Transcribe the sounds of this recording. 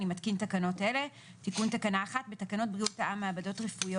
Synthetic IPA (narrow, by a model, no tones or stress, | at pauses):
nimat̪kint̪akano̞t̪ʔele̞ | t̪ikunt̪akanaːχat̪̚be̞t̪akano̞t̪̚bʁiut̪aʔamaabad̪o̞t̪ʁefujo